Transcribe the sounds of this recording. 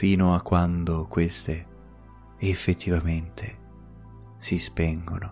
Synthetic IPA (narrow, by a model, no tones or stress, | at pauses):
fiːnoakːwand̪okwest̪e | efːet̪ʰːivament̪ʰe | sispɛŋɡo̰no